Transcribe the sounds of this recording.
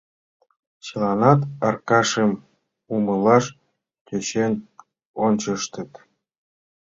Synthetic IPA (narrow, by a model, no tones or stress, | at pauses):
t͡ɕɤ̆lɑnɑt̪ɑrkɑʃem | umɤ̆lɑʃ | t̪ʲøt͡ɕenʲ | onʲt͡ɕɤ̆ʃt̪ə̆t̪